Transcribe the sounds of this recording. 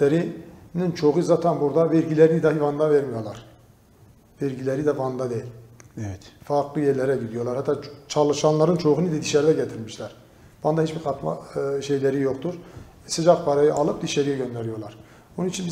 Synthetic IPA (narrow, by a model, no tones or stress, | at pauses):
eɾinint͡ʃʰoɣuzat̪ʰænbuɾd̪avɛɾɟilʲɛɾinid̪ahivand̪avɛɾmijo̞lˠɑɾ̥ | vɛɾɟilʲeɾid̪ɛvand̪ad̪ejilʲɛfaɾklˠɯjɛɾlʲeɾɛɟid̪ijo̞lˠaɾhat̪ːaːt͡ʃʰɑlˠɯʃɑnlˠɑɾɯnt͡ʃʰo̞ʁunid̪ɛd̪iʃæɾd̪ɛɟɛt̪ʰiɾmiʃlʲæɾ̥ | v̥and̪ahit͡ʃbiɾkʰɑt̪ma̰ʃejlʲeɾijoqt̪ʰuɾ | sɯd͡ʒakpʰaɾajɯʔɑlˠɯp̚d̪iʃɛɾijɛɟø̞nd̪ɛɾijo̞lˠɑɾ̥ | onunit͡ʃʰinbi